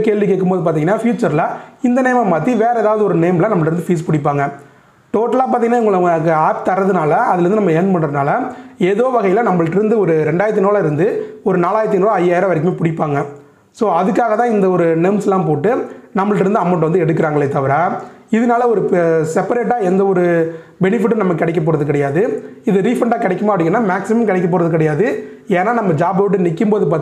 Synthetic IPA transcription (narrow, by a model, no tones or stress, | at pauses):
keːɭʋikeːkːɯmpoːðɯp̬aːɾt̪iːŋɡɐnːaːfjuːt͡ʃːɐɾlɐɪnd̪ɐneːmɐmaːt̪ːiʋeːɾɐɛːðaːʋɐðɯɔɾɯneːmlɐnɐmːɐɭʈɪɾɯnd̪ɯfiːspʊɽɪpːaːŋɡɐ | ʈoːʈːɐlaːp̬aːɾt̪iːŋɡɐnːaːɪŋɡɐɭɐkaːp̚t̪ɐɾɐðɯnaːlɐɐðɪlɾnd̪ɯnɐmːɐɛnmɐɳrɐðɯnaːlɐeːðoːʋɐɣɐjɪlɐnɐmːɐɭɯʈːɪɾɯnd̪ɯɔɾɯɾɛɳɖaːjɾt̪ːɯnoːlaɪɾɯnd̪ɯɔɾɯnaːlaːjɪɾɐt̪̬ːɪnɾoɐjːaːjɪɾɐʋɐɾɪkːɯmeːpʊɽɪpːaːŋɡɐ | soːɐðɯkːaːɣɐt̪ãːɪnd̪ɐɔɾɯnɛmsɛlːãːmpoːʈːɯnɐmːɐɭʈːɪɾɯnd̪ɯɐmːɐɳʈʋɐnd̪ɯɛɽɯkːɪɾaːŋɡɐɭːet̪ːɐʋɐɾaː | ɪðɯnaːlɐɔɾɯsɛpːɐɾeːʈ̬ːaːɛnd̪ɐɔɾɯbɛnɪfɪʈːɯnɐmːɐkːɪɽɛɪk̬ːɐp̬ːoːɾɐðɯkɪɽɐjaːðɯɪðɯɾiːfɐɳɖaːkɪɽɛkːɯmaːpːɽɪŋɡɐnːaːmaːksɪmɐmkɪɽɛkːɐpːoːɾɐðɯk̬ɪɽɐjaːðɯ | eːnːaːnɐmːɐd͡ʒaːbɐʋɪʈ̬ːɯnɪkːɯmpoːðɯpaːɾ